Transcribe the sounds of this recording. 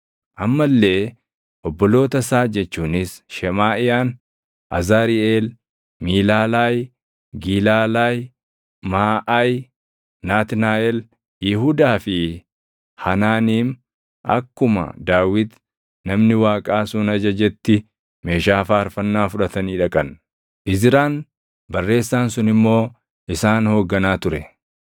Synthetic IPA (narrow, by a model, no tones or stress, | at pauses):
ʔɐmːɐlːe̞ː | ʔɔbːɔlo̞ːt̪ɐsaːd͡ʒɛt͡ʃːuːnɪsʃɛmaːʔɪjaːn | ʔɐzaːɾɪʔeːl | miːlaːlaːj | ɡiːlaːlaːj | maːʔaj | naːt̪naːʔɛl | jɪhud̪aːfɪ | hɐnaːniːm | ʔɐ̰kːʊmɐ̰d̪aːwɪt̪ | nɐmnɪwaːkʼaːsʊnɐd͡ʒɐd͡ʒɛt̪ːɪ | me̞ːʃaːfaːɐɾfɐnːaːfʊᶑɐt̪ɐniːᶑɐkʼɐn | ʔɪzɪɾaːn | bɐrːe̞ːsːaːnsʊnɪmːo̞ː | ʔɪsaːnho̞ːɡːɐnaːt̪ʊɾɛ